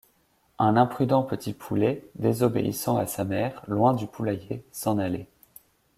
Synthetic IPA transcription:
ɛ̃nɛ̃pχyd̪ɑ̃pət̪ʰipʰuled̪ezɔbḛʔḭsɑ̃asamɛʁlwɛ̃d̪ypʰulajesɑ̃nale

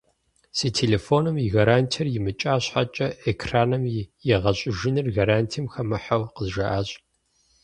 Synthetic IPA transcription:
siːtʰeːleːfoːnɨmiɣaɾaːntʰɐrjɪmɨt͡ʃʼaːɕħa̰t͡ʃʼɐʔekʰraːnɐmjɛʁɐɕʼɪʒɪnɨrɣaɾaːntʰiːmxɐmɨħɐwqəzʒɐʔaːɕʼ

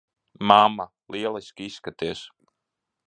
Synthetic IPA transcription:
mamːa | lˠʔiɛlˠiskʲisːkat̪iɛs

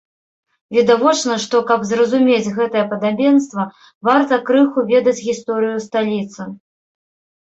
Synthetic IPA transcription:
vʲid̪avɔt͡ʂnɐʂt̪ɔkɐbzrɐzumʲet͡sʲɣɛt̪ɐjɛpɐd̪abʲɛnst̪vɐ | vart̪ɐkɾɨxuvʲɛd̪ɐt͡sʲɣʲist̪ɔɾɨjust̪alʲit̪sɨ

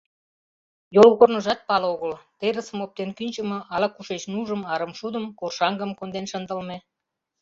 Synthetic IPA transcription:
jolɣornə̆ʒɑt̪̚pɑloɣəlt̪eɾəsə̆mop̚t̪enkynʲt͡ɕə̆mɤ̆ʔɑlɑkuʃet͡ɕnuʒəmɑɾəmʃud̪əmkorʃɑŋɡə̆mkond̪enʃənd̪əlme

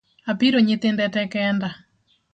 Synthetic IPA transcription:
apiɾoɲet̪endɛtɛkɛnda

